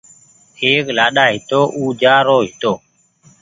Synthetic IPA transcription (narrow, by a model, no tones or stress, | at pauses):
eːklaːɗaːɦɪt̪oːʔuːd͡ʒaːɾoːɦɪt̪oː